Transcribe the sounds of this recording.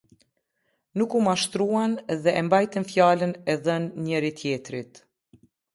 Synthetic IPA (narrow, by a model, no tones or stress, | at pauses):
nukumaʃt̪ɾuanðɛʔɛmbajt̪ɛnfjalənɛðənɲɛɾit̪ʰjɛt̪ɾit̪